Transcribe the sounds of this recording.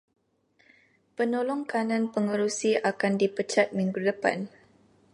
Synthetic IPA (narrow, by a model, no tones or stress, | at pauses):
pənolɔŋkanãnpəŋəɾusiakandipət͡ʃat̪̚miŋɡudəpa̰n